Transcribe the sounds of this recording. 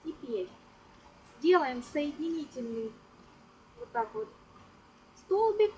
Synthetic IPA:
tʲɪpʲeɾʲ | zʲdʲe̞lˠəjɪmsəjɪdʲɪnʲitʲɪlʲnɨj | vot̪ːakvot̪ | st̪olˠbʲɪk

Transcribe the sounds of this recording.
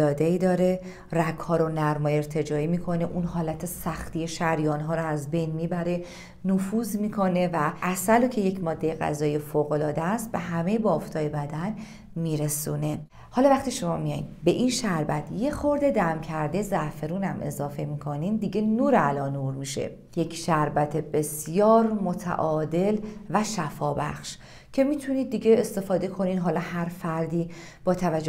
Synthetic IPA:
lɒːd̪eiːd̪ɒːɾe̞ | rækhɒːɾonæɾmɒːje̞ɾt̪ʰe̞d͡ʒɒːiːmiːkʰo̞neʔunɦɒːlæt̪ʰesæxt̪ijeʃæɾjɒːnɦɒːɾoæzbe̞jnmiːbæɾe̞ | nofuːzmiːkʰo̞ne̞væʔæsælocʰe̞je̞cʰmɒːd̪ːe̞jeɣæ̰zɒːijjefoːɣo̞lɒːd̪eæst̪̚be̞ɦæme̞jbɒːft̪ʰɒːjebæd̪æn | miːɾesuːne̞ | hɒːlɒvæχt̪iːʃo̞mɒːmijɒjḭd̪be̞ʔinʃæɾbæt̪ʰje̞xo̞ɾd̪e̞d̪æmcʰæɾd̪ezæfeɾuːnæmʔe̞̰zɒːfe̞miːkʰo̞niːmd̪iːɟe̞nuːɾælɒːnuːɾmiʃe̞̰ | je̞cʰʃæɾbæt̪ʰebe̞sjɒːɾmot̪ʰæ̰ʔɒːd̪e̞lvæʃæfɒːbæ̰xʃ | cʰe̞miːt̪ʰuniːd̪ːiːɟe̞est̪e̞fɒːd̪e̞kʰo̞niːd̪ɦɒːlɒːhæɾfæɾd̪iː | b̥ɒːt̪ʰævæd͡ʒːo

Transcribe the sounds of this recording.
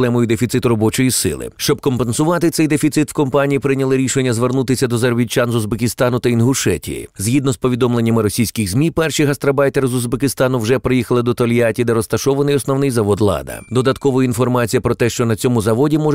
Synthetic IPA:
lˠɛmɔjʊd̪efʲit̪sɪt̪ʊɾɔbɔt͡ʃɔjisɪ̰lˠɪ̰ʃt͡ʃɔb̚kɔmpensʊʋɑt̪ɪt̪sɛjd̪efʲit̪sɪt̪wkɔmpanʲijipɾɪnʲɐlˠɪɾʲiʃenʲːɐzʋernut̪ɪsʲɐd̪ɔzerbʲit͡ʃanzʊzbekʲɪst̪ɑnʊt̪ɐinɦʊʃɛ̰tʲḭjḭzʲɦʲid̪nɔspɔʋʲid̪ɔmlˠe̞nʲːɐmɪɾɔsʲijsʲkɪɣzmʲipɛrʃiɦɐst̪ɾɐbɑjt̪eɾzʊzbekɪst̪ɑnʊwʒɛpɾɪjixɐlˠɪd̪ɔt̪ɔlʲjatʲid̪ɛɾɔst̪ɐʃɔʋɐnɪjɔsnɔʋnɪjzɐʋɔd̪lˠɑ̰d̪ɐ̰d̪ɔd̪ɐt̪kɔʋɔjinfɔrmɑt͡sʲijɐpɾɔt̪ɛʃt͡ʃɔnɐt͡sʲɔmʊzɐʋɔdʲimɔʒ

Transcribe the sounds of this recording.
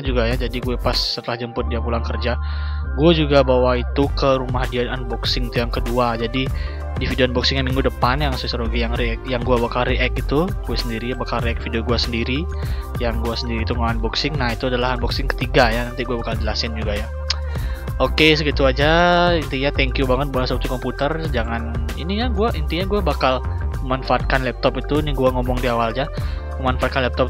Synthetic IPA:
ad͡ʒuɡajad͡ʒadiɡuɛpasːət̪əlahd͡ʒəmpʊt̪̚diamulaŋkərd͡ʒaɡuad͡ʒuɡabawait̪ukəɾumahdiananbɔksɪŋit̪ujaŋkəduad͡ʒadi | difidioanbɔksɪŋjamiŋɡudəpanjaŋsusəɾoɡijaŋɾiɛk̚jaŋɡuabakalriʔɛk̚it̪uɡ̥uasəndiɾijabakalriɛk̚fidioɡuasəndiɾi | jaŋɡuasəndiɾiːt̪uŋaanbɔksɪŋnait̪uadalaɦanbɔksɪŋkə̥t̪iɡajanant̪iɡuabakald͡ʒəlasɪnd͡ʒuɡaja | okes̬əɡit̪uad͡ʒaint̪iɲat̪ɛŋkjubaŋət̪̚buaswap̚t̪ukɔmput̪ərd͡ʒaŋaniniɲaɡuaʔint̪iɲaɡuabakaləmanfaːt̪̚kanlɛp̚t̪ɔpit̪uiniɡuaŋɔmɔŋdiawalɲa | məmanfaat̪kanlɛp̚t̪ɔp

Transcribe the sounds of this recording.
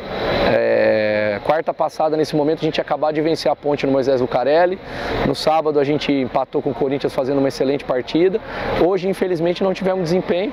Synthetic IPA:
ɛ | kwaɾt̪ɐpasad̪ɐnesɪmõmẽt̪ʊɐaʒẽnt͡ʃɪakabad͡ʒɪvẽseɾɐpõnt͡ʃɪnʊmojzɛzlʊkaɾɛlɪnʊsabɐd̪ʊaʒẽnt͡ʃɪĩpat̪owkõkoɾĩnt͡ʃiɐsfazẽnd̪ʊũmɐeselẽt͡ʃɪ̥paɾt͡ʃid̪ɐoʒɪĩfelizmẽnt͡ʃɪnɐ̃w̃t͡ʃivɛ̃mʊzd͡ʒɪzĩpẽɲʊ

